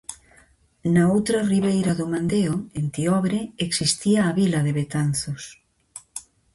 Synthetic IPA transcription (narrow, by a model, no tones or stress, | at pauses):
naowt̪ɾɐriβejɾaðʊmãnd̪eoent̪iɔβɾeeksist̪iaːβilɐðeβet̪an̟θʊs